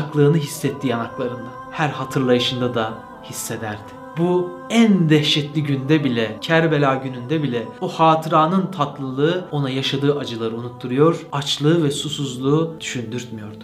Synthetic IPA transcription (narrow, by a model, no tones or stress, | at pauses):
klˠɯːnɯɦisːɛt̪ʰːiːanaklˠaɾɯnd̪a | hæɾhat̪ʰɯɾlˠajɯʃɯnd̪ad̪a | hisːed̪æɾd̪̥ɪ̥ | bu | ænd̪ɛhʃɛt̪lʲiɟynd̪ɛbilʲɛcʰæɾbelʲaːɟynynd̪ɛbilʲɛohaːt̪ʰɯɾaːnɯnt̪ʰat̪lˠɯlˠɯɯo̞najaʃad̪ɯːʔad͡ʒɯlˠaɾɯunut̪ʰːuɾujo̞ɾ̥at͡ʃlˠɯːvɛsusuzlˠuːd̪̥yʃynd̪yɾt̪mijo̞ɾd̪u